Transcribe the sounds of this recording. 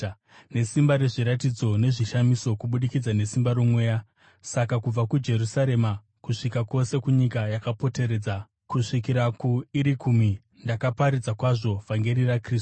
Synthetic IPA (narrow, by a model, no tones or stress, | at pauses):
ne̞simbaɾe̞ʐiɾatid͡zo̞ne̞ʐiʃamiso̞kuɓuɗikid͡zane̞simbaɾomwe̞ːja | sakakub͡vakud͡ʒe̞ɾusaɾe̞ma | kuʂikako̞se̞kuɲikajakapo̞te̞ɾe̞d͡za | kuʂik̬iɾakuiɾikʰumi | ndakapaɾid͡zakwaʐo̞vʱaŋɡeɾirakriːsu̥